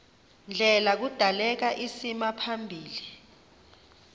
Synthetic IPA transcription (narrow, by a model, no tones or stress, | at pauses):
nd͡ɮʱɛlak̬ud̥ʱalɛk̬aʔisimapʰambʱiːli